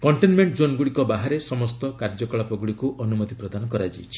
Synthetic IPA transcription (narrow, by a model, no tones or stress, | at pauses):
kɔɳʈenmeɳʈd͡ʒonɡuɽikɔbaɦaɾesɔmɔst̪ɔkaɾd͡ʒɔkɔɭapɔɡuɭikuʔɔnumɔt̪ipɾɔd̪anɔkɔɾad͡ʒajt͡ʃʰi̥